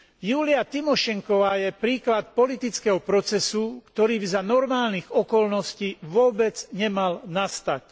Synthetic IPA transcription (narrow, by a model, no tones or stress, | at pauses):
juːlɪat̪imɔʃɛŋkɔʋaːjɛpɾiːklat̪̚pɔlit̪it͡skɛɦɔpɾɔt͡sɛsukt̪ɔɾiːbizanɔɾmaːlniɣɔkɔlnɔsciːʋʊɔbɛd͡zɲɛmalnast̪ac